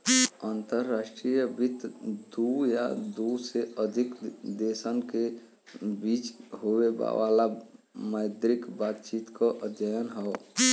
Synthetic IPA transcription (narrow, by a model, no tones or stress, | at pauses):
aːnt̪əɾːaːʃʈɾijəbɪt̪d̪uja̰d̪useəd̪ʱɪkd̪eːsənke | biːt͡ʃɦoweba̰ʋa̰ːla | məɪd̪ɾɪkbaːt̪t͡ʃiːt̪kaʔəd̪jəjənɦɛ